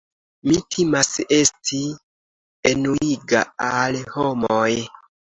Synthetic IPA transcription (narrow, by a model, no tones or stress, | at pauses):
mitʰimase̞sti | enuiɡa̰alho̞moj